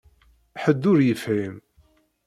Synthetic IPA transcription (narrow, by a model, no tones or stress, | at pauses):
ħəd̪ːʊɾjəfʕim